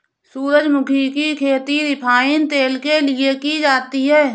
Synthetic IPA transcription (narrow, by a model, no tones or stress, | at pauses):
suːɾəd͡ʒmʊkʰikikʰeːt̪iɾɪpʰaːint̪eːlkelɪekid͡ʒaːt̪iɦɛː